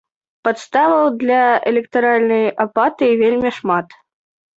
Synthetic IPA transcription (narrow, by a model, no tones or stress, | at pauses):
pat̪st̪avɐwd̪lʲɐɛlʲɛkt̪aɾalʲnɐjapat̪ɨivʲelʲmʲiʂmat̪